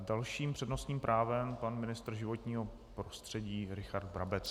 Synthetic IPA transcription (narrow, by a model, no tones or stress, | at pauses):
dalʃiːmpr̥ɛdno̞st̪ɲiːmpɾʔaːvɛmpanmɪnɪst̪ɾ̩ʒɪvo̞t̪ɲiːɦo̞ | pɾost̪r̥ɛɟiːɾɪxaɾd̪bɾa̰bɛt͡s